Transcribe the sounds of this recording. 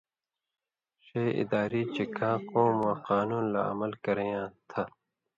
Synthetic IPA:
ɕeɪ̰d̪aːɾiːt͡ɕekʰãːkõːmãːqaːnuːnla̰ɐ̰mɐlkɐɾẽjãːt̪ʰɐ

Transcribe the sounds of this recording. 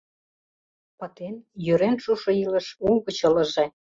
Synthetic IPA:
pɑt̪enjøɾenʃuʃŏilə̆ʃuɣə̆t͡ɕə̆lə̆ʒe

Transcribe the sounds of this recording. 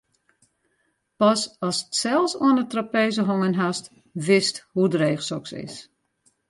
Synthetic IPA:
pɔsɔsətsɛlˠsoənətrapeːzəɦoŋənɦast | ʋɪsthudreːxsɔksɪ̰s

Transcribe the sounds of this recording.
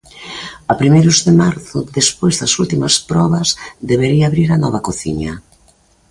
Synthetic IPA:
apɾimejɾʊzðɪmaɾθʊðespojzðɐsult̪imɐspɾɔβɐzðeβeɾiaːβɾiɾɐnɔβɐkoθḭɲɐ̰

